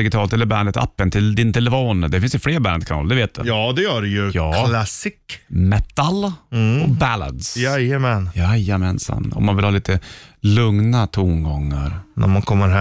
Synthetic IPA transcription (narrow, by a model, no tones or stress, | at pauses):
d̪ɪɡɪt̪ʰɑːlt̪ɛlːəɾbænd̪ət̪ʰa̰pːənt̪ʰɪld̪ɪnt̪ʰɛlɛfoːnd̪ɛfɪnsjəfleːɾbænd̪kʰanɑ̰ːld̪ɛveːt̪̚d̪ɵ̰jɑːd̪ɛjœːɖɛjɵjɑːkʰlasɪkmɛt̪ːalɔbæla̰d̪sjajəmɛnjajəmɛnsa̰mnɔ̰mːanvɪlhɑːliːt̪əlɵŋnat̪ʰʊmɡɔŋːaɾnæ̰ɾmankʰɔmːəɾɦ